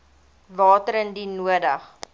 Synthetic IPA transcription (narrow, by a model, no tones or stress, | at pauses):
vɑːtəɾəndinuədɐχ